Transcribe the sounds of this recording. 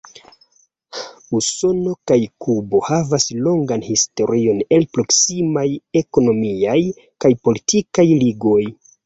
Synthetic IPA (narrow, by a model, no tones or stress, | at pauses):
uso̞no̞kajkubo̞havaslo̞ŋɡanhisto̞ɾio̞ne̞lpɾo̞ksimaje̞ko̞no̞miaj | kajpo̞litikajliɡo̞j